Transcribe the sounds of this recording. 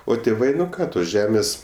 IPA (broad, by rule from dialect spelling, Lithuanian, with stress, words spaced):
oː tʲeːˈʋɐɪ ˈkɑː toːs ˈʒʲæːmʲeːs